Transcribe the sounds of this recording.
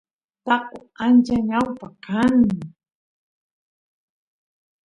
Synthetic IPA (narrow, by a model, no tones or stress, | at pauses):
t̪aqu | and͡ʒaɲawpakan